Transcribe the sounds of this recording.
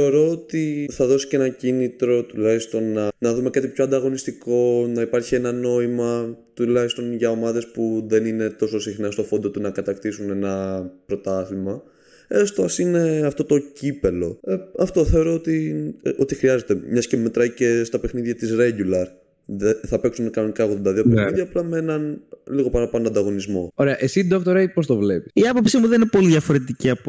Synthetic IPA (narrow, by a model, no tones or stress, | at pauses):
eoɾo̞ot̪iθɐðo̞si̥ce̞nɐcinit̪ɾo̞t̪ulɐist̪o̞nɐnɐðume̞kɐt̪ipçoɐnd̪ɐɣo̞nist̪iko̞nɐipɐɾçie̞nɐno̞imɐt̪ulɐçist̪o̞nʝɐo̞mɐðe̞spuðe̞nine̞t̪o̞so̞sixnɐst̪o̞fo̞nd̪o̞t̪unɐkɐt̪ɐkt̪isune̞nɐpɾo̞t̪ɐθimɐ | est̪oɐsine̞ɐft̪o̞t̪o̞cipe̞lo̞eɐft̪o̞θe̞o̞ɾo̞ot̪io̞t̪ixɾiɐze̞t̪e̞mɲɐscemet̪ɾɐcest̪ɐpe̞xniðʝɐt̪isɾeɟulɐɾ | ðeθɐpeksunkɐno̞nikɐoɣðod̪ɐðiopexiðʝɐːplɐmeenɐnliɣo̞pɐnɐpɐnoɐnd̪ɐɣo̞nizmo̞̰o̞ɾeɐʔesid̪okt̪oɾɐipost̪ovle̞pi̥siɐpo̞psimuðeninepo̞liðʝɐfo̞ɾe̞t̪iciɐp